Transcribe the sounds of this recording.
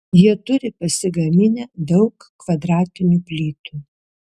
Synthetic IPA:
jiɛt̪ʊɾʲɪpɐsʲɪɡɐmʲɪnʲɛːd̪ɒʊkː | ʋɐd̪ɾɑːt̪ʲɪnʲuːpʲlʲiːt̪uː

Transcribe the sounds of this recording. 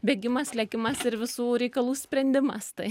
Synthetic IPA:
bʲɛːɡʲɪmɐslʲɛkʲɪmɐsɪɾʋʲɪsuːɾʲɛɪkɐlˠuːsʲpʲɾʲɛnʲd̪ʲɪmɐst̪ɐɪ

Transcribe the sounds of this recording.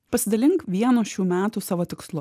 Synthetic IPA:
pɐsʲɪd̪ɐlʲɪŋkʋʲiɛnoːʃʲuːmʲæːt̪uːsɑːʋoːt̪ʲɪkslˠʊ

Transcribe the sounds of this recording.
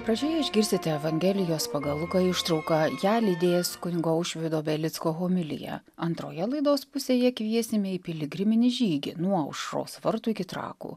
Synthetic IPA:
pɾɐd͡ʒʲoːjɛɪʒʲɡʲɪɾʲsʲt̪ʲɪt̪ʲɛɛʋɐŋʲɡʲɛlʲɪjoːspɐɡɐlˠʊkɐɪʃt̪ɾɒʊkɐjæːlʲid̪ʲeːjɛskʊnʲɪɡoːʊʃʲʋʲɪd̪oːbʲɛlʲɪt̪skoːɣoːmʲɪlʲɪ̰jɛ̰ | ɐnt̪ɾo̰ːjɛlˠɐɪd̪oːspʊsʲeːjɛkʋʲiɛsʲɪmʲɪɪpʲɪlʲɪɡɾʲɪmʲɪnʲɪʒʲiːɡʲɪ̰nuɔɐʊʃɾo̰ːsʋɐɾt̪uːɪkʲɪt̪ɾɑ̰ːkṵː

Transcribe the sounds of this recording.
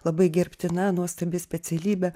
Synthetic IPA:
lˠɐbɐɪɡʲɛɾʲpʲt̪ʲɪnɐnuɔst̪ɐbʲɪsʲpʲɛt͡s̪ʲɛlʲiːbʲɛ

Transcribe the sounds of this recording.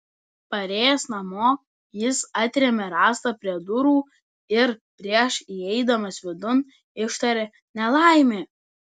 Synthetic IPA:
pɐɾʲeːjɛsnɐmoː | jɪsɑt̪ʲɾʲɛmʲɛɾɑːst̪ɐpʲɾʲiɛd̪ʊɾuː | ɪɾpʲɾʲiɛʃiɛɪd̪ɐmɐsʋʲɪd̪ʊn | ɪʃt̪ɐɾʲɛ | nʲɛlˠɑˑɪmʲeː

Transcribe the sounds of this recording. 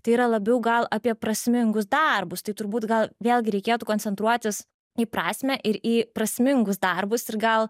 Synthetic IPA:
t̪ɐɪiːɾɐlˠɐbʲɛʊɡɐlˠɐpʲiɛpɾɐsʲmʲɪŋɡʊs̬d̪ɐrbʊst̪ɐɪt̪ʊɾbuːt̪ɡɐlˠʋʲeːlˠʲɡʲɪɾʲɛɪkʲeːt̪uːkoːnʲt͡ssʲɛnt̪ɾuɔt̪ʲɪs | ipɾɑːsʲmʲæʔɪɾiːpɾɐsʲmʲɪŋɡʊsd̪ɐrbʊsɪɾɡɐlˠ

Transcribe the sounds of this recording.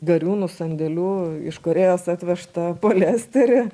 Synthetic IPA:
ɡɐɾʲuːnʊsɐnʲd̪ʲɛlʲuːɪ̰ʃkoɾʲeːjoːsɑːt̪ʲʋʲɛʃt̪ɐpoːlʲæːsʲt̪ʲɛɾʲɪ

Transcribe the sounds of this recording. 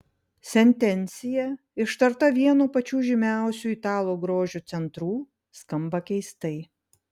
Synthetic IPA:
sʲɛnʲt̪ʲɛnʲt̪sʲɪjɛ | ɪʃt̪ɐɾt̪ɐʋʲiɛnuːpɐt͡ʃʲuːʒʲɪmʲæˑʊsʲuːit̪ɑːlˠoːɡɾoːʒʲuːt̪sʲɛnt̪ɾuː | skɐmbɐkʲɛɪst̪ɐɪ

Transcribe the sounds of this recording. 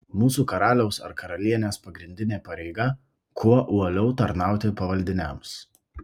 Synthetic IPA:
muːsuːkɐɾɑːlʲɛʊsɐ̰ɾkɐɾɐlʲiɛnʲeːspɐɡɾʲɪnʲd̪ʲɪnʲeːpɐɾʲɛɪɡɐ | kuɔʔuɔlʲɛʊt̪ɐɾnɑˑʊt̪ʲɪpɐʋɐlʲd̪ʲɪnʲɛms

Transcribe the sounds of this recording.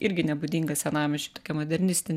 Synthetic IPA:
ʔɪɾʲɡʲɪnʲɛbʊd̪ʲiːŋɡɐsʲɛnɑːmʲɛʃʲɛpt̪oːkʲɛmod̪ʲɛɾʲnʲɪsʲt̪ʲɪnʲ

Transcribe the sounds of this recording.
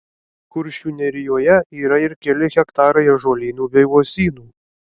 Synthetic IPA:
kʊɾʲʃʲuːnʲɛɾʲɪjoːjɛiːɾɐɪɾkʲɛlʲɪɣʲɛkt̪ɑːɾɐɪɛʒoːlʲiːnʲuːbʲɛɪʋoːsʲiːnuː

